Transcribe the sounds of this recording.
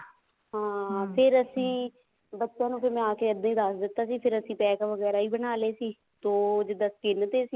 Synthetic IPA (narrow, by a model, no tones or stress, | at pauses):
ɦãːpʰɪɾəsĩː | bətːʃjãːnũːpʰɪɾmɛ̃aːkeːəd̪ãːiːd̪əsd̪ɪt̪ːaːsiːpʰɪɾəsĩːpɛːkaʋəɡɛːɾaːiːbənaːleːsiː | t̪oːd͡ʒɪd̪aːskɪnːət̪eːsiː